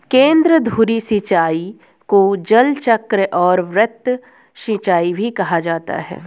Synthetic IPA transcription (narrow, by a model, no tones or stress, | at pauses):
kẽːnd̪ɾəd̪ʱuːɾisit͡ʃaːi | kod͡ʒɐlt͡ʃəkɾəʔɔːɾʋɾət̪ | ʃĩt͡ʃaːibʱikɐɦad͡ʒaːt̪a̰ɦɛ̰ː